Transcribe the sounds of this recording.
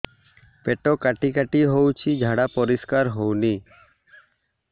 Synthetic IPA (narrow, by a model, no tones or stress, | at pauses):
pɛʈɔkaʈikaʈiɦowt͡ʃʰid͡ʒʱaɽapɔɾiskaɾɦowni